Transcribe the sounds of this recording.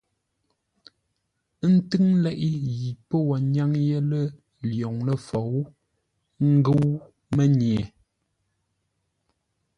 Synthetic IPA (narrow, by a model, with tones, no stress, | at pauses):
n̩˦tɨ˦ŋ˦lɛ˦ʔi˦ji˨pə˦wɔ˨ɲa˦ŋje˦lə˦ | ljɔ˨ŋnə˦˨fɔ˨w | ŋ̩˦ɡə˦w | mə˦ɲje˨